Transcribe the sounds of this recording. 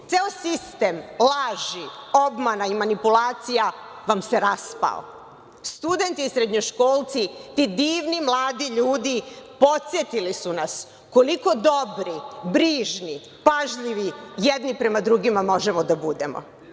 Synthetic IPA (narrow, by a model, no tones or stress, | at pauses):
t̪seosist̪e̞mlˠaːʒio̞bmanaimanipulaːt̪sija | ʋamseɾaspa̰l | st̪ud̪e̞nt̪iisɾed̪ɲoʃkoːlˠt̪sit̪id̪iːʋnimlˠaːd̪iʎuːd̪ipo̞t̪sjet̪ilisunas | ko̞liko̞d̪o̞bɾibɾiːʒni | paʒʎiʋijɛd̪nipɾe̞mad̪ɾuɡimamo̞ʒemo̞d̪abud̪e̞̰mo̰